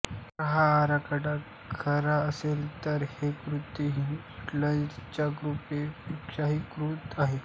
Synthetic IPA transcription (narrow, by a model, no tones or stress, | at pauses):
kəɦaːɾakəɽa | kʰəɾaəselt̪əɾhekɾut̪ːiɦi | ʈlãt͡ɕaɡɾupeikɕaɦikɾuːt̪aɦe